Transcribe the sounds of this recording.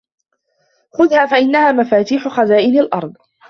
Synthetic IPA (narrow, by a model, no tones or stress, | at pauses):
xʊðhaːfaʔɪnːahaːmafaːt̪iːħʊxazaːʔɪnalʔɑ̰ɾˤd̪ˤ